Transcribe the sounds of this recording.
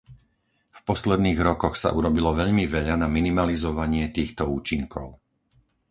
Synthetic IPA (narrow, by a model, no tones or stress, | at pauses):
fpɔslɛd̪niːɣɾɔkɔxsa̰ʔuɾɔbilɔʋɛʎmiʋɛʎanaminimalizɔʋaɲɪɛt̪iːxt̪ɔuːt͡ʃiŋkʰɔʊ